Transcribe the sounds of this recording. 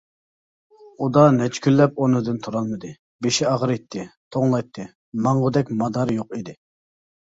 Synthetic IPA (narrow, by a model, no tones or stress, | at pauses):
ud̪ɑnɛt͡ʃʰkʲylːɛp̚onɨd̪ɨnt̪ʰuɾɑlˠmɨd̪ɨ | beʃiɑʁɾɨjt̪ʰːɪt̪ʰoŋlˠɑjt̪ʰːɨ | mɑɴʁəd̪ɛkʲmɑd̪ɑɾjoqid̪ɪ